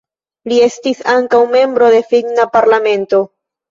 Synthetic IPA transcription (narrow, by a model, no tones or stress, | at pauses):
lie̞stisaŋkawme̞mbɾo̞de̞fiɡnapaɾlame̞nto̞